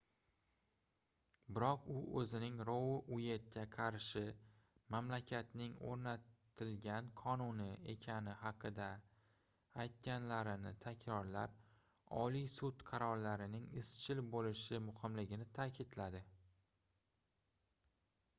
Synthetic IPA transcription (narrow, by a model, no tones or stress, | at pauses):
bɪɾɒqʊɵzɪnɪŋɾowɪʔʊje̞t̪̚kʲaqʰɑɾʃɪ | mamlakʲʰat̪nɪŋo̰ɾnat̪ʰɪlɡʲanqʰɒnʊnɪe̞kʲʰanɪhɑqʰɨd̪aː | jt̪̚kʲanlaɾɪnɪ̰t̪ʰakʲʰɾɒɾla̰p̚ | ɒ̰lijsʊt̪qʰɑɾɒɾlaɾɪnɪŋɪst͡ʃʰɪlbolɪʃɪmʊhɨmlɪɡʲɪnɪt̪ʰakʲʰɪd̪lad̪ɪ